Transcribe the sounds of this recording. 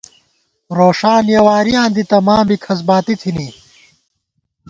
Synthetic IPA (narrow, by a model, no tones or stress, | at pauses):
ɾoːʂaːnjɐwaːɾijãːnd̪it̪ɐmãːmbikʰɐs̬baːt̪it̪ʰini